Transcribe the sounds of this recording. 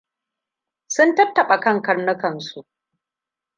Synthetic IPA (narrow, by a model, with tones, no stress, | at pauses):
sʊ˦ntɐ˦tːɐ˨ɓa˨kɐ˦ŋkɐ˦rnʊ˦kɐ˨nsu˦ʔ